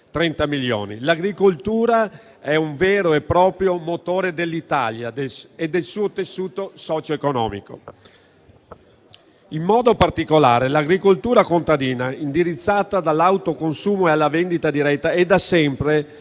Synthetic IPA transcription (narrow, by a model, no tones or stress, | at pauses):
t̪ɾɛnt̪amiljo̰ːnḭlaɡɾikolt̪uːɾa | ɛuɱvɛːɾoepːɾɔːpɾjomot̪oːɾed̪elːit̪a̰ljad̪eled̪ːelsuːot̪esːuːt̪osɔt͡ʃoekonɔ̰ːmḭko̰ | imːɔːd̪opart̪ikola̰ːɾelaɡɾikolt̪uːɾakont̪ad̪iːnaind̪iɾit̪sːaːt̪ad̪alːawt̪okonsuːmoealːavend̪it̪ad̪iɾɛt̪ːaɛd̪ːasɛmpɾe